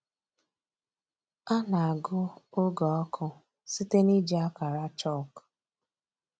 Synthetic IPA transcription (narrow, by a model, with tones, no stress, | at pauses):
a˦na˨a˨ɡʊ˦ʊ˦ɡɔ˨ɔ˦kʰʊ˦ | si˦te˦ni˦d͡ʒi˦a˦ka˨ɾa˦t͡ʃɔ˦˨k